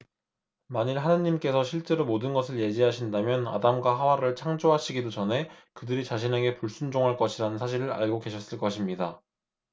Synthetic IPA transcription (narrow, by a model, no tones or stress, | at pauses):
maɲiɭɦanɯɲːimk͈e̞sʰʌɕʰiɭt͡ɕ͈e̞ɾomodɯnɡʌsʰɯɭje̞d͡ʑiɦaɕʰindamjʌna̰damɡwaɦawaɾɯɭt͡ɕʰaŋd͡ʑoɦaɕʰiɡidot͡ɕʌnɦe̞kɯdɯɾit͡ɕaɕ̬ʰine̞ɡe̞puɭs͈und͡ʑoŋɦaɭk͈ʌɕʰiɾanɯnsʰaɕ̬ʰiɾɯɾa̰ɭɡoɡe̞ɕʰʌs͈ɯɭk͈ʌɕʰimɲida